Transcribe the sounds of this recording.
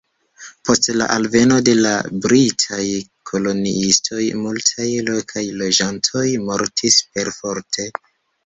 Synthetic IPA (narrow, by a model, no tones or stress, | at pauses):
po̞stla̰ʔalve̞no̞de̞la̰bɾitʰajkʰo̞lo̞nḭistʰo̞jmultʰajlo̞kʰajlo̞d͡ʒantʰo̞jmo̞ɾtʰispe̞ɾfo̞ɾtʰe